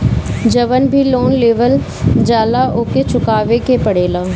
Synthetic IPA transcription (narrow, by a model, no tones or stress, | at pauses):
d͡ʒɐʋənbʱiloːnleːʋəl | d͡ʒaːlaʔoːket͡ʃʊkaːʋekepɐɽeːlaː